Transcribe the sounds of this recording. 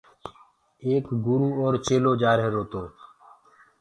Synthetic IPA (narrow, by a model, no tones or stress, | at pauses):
eːkɡuɾuːoːɾt͡ʃeːloːd͡ʒaːɾɦeɾoːt̪oː